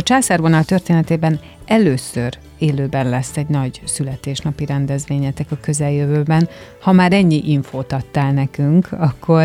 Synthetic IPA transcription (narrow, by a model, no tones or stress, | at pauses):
ɒt͡ʃaːsarbonɒlt̪ø̞rt̪eːnɛt̪eːbɛn | ɛløːsør | eːløːbɛnlɛsːɛɟnɒɟsylɛt̪eːʃnɒpiɾɛnd̪ɛzʋeːɲɛt̪ɛkɒkø̞zɛljøvøːbɛnhɒmaːɾɛɲːiʔiɱfoːt̪ɒt̪ːaːlnɛkyŋkʰɒkʰːo̞r